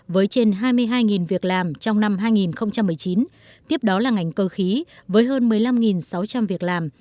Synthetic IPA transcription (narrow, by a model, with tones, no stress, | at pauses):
vəː˨˦jt͡ɕe˧nɦaː˧jmɨ˧əjɦaː˧jŋi˨˩nvi˨˩ək̚laː˨˩mt͡ɕɔ˧wŋ͡mna˧mɦaː˧jŋi˨˩nxə˧wŋ͡mt͡ɕa˧mːɨ˨˩əjt͡ɕi˨˦n | t̪i˦˥əp̚ɗɔ˨˦laː˨˩ŋa˨˩jŋ̟kəː˧xi˨˦vəː˨˦jɦəː˧nmɨ˨˩əjla˧mŋi˨˩nsa˨˦wt͡ɕa˧mvi˨˩ək̚laː˨˩m